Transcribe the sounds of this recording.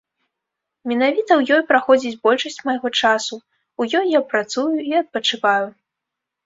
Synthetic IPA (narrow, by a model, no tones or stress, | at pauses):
mʲɛnavʲit̪ɐwjɔjpɾaxɔd͡zʲit͡sʲbɔlʲʂɐsʲt͡sʲmɐjɣɔt͡ʂasu | ujɔjːapɾat̪sujuiɐt̪̚pɐt͡ʂɨvaju